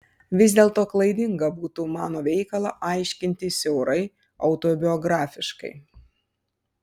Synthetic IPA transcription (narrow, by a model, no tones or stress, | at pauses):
ʋʲɪzʲd̪ʲeːlˠt̪oːklˠɐɪd̪ʲɪŋɡɐbuːt̪uːmɑːnoːʋʲɛɪkɐlˠɑʔɐɪʃʲkʲɪnʲt̪ʲɪsʲɛʊɾɐɪ | ɐʊt̪oːbʲɪɔɡɾɑːfʲɪʃkɐ̰ɪ